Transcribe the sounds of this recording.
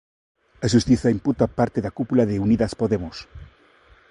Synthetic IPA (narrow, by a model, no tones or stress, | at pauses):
aʃust̪iθaimput̪apaɾt̪eðakupulaðeuniðaspoðemos